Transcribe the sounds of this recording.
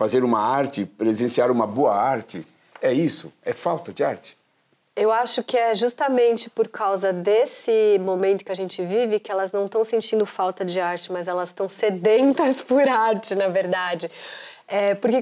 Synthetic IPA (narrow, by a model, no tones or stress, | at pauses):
fazeɾũmɐaɾt͡ʃɪpɾezẽsiaɾũmɐboɐaɾt͡ʃɪ | ɛisʊɛfawt̪ɐd͡ʒɪaɾt͡ʃɪ̥ | ewaʃʊkɪɛʒust̪ɐmẽnt͡ʃɪpoɾkʰawzɐd̪esɪmõmẽnt̪ʊ̥kɪɐʒẽnt͡ʃɪvivɪkɪɛlɐznɐ̃w̃t̪ɐ̃w̃sẽnt͡ʃĩnd̪ʊfawt̪ɐd͡ʒɪaɾt͡ʃɪmɐzɛlɐsst̪ɐ̃w̃sed̪ẽnt̪ɐspʊɾaɾt͡ʃɪnɐveɾd̪ad͡ʒɪ | ɛpʊɾke